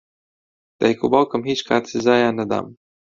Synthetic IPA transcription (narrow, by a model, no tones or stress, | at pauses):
d̪̥a̰jkubawkəmɦit͡ʃkaːt͡sizaːjanad̪a̰m